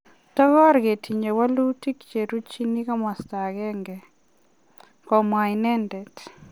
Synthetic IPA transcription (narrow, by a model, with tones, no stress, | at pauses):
tɔ˦ɣɔ˦ɾɡe˨tʰi˨ɲe˨wa˦lu˦ti˦kt͡ʃe˨ɾu˦t͡ʃi˦ni˦ka˦mwa˨sta˨ɡɛ˦ŋɡɛ˨ | kɔ˨mwa˨i˨nɛ˦ndɛ˨t